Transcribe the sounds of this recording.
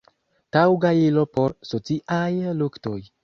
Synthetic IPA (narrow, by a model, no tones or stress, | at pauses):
tawɡailo̞po̞ɾsot͡siʔajlukto̞j